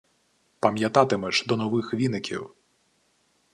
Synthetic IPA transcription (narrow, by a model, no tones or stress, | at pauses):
pɐmʲjat̪at̪ɨmɛʂd̪ɔnɔvɨxvʲinɨkʲḭw